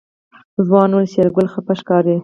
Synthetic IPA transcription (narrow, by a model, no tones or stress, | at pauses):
zwɑːnwʊlseɾɡʊlxapaʃkɑːɾe